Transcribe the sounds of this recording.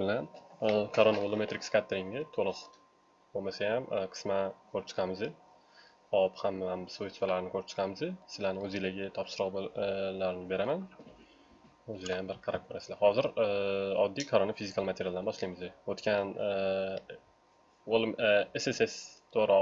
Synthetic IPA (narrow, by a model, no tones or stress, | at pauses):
bɪlankʰaɾonaolˠome̞t̪ɾɪkʲskʲat̪ʰːɾɪŋd̪ɪt̪ʰolˠɨq | bomasajamqʰɨ̥smakʰɵɾɪpt͡ʃʰɨ̥qʰɑmɪzd̪ɪ | ɒphamamɪsojst̪valaɾɪnɪkʰɵɾɪp̚t͡ʃʰɨ̥qʰɑmɪzd̪ɪsɪlanɪɵzilaɡʲat̪ʰɒpsɨɾɒqblaɾɪnɪbe̞ɾaman | ɵzɪlajambɪɾqʰɑɾakʰoɾasɪ̥lahɒzɪɾɒd̪ːijkʰaɾonafizɪkʰalˠmat̪ʰeɾjalˠd̪anbɒʃlajmɪzd̪ɪot̪kʲan | olˠesese̞st̪ʰoɾɒ